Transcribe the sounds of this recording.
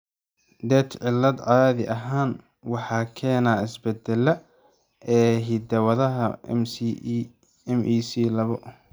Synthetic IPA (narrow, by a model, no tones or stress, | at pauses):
d̪ɛːt̪ʰʕɪlːɐd̪ʕɑːðɪʔɐɦaːn | wɑħɑːkʰɛːnaːɪsbɛd̪ɛlːɐ | ɛːɦid̪ɐwɐðɐɦɐms | ɛmʔiːsiːlɐβɔ